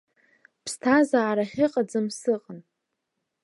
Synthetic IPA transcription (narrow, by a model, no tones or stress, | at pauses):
pʰstʰazaːɾaχʲɪqʼad͡zɨmsɨqʼan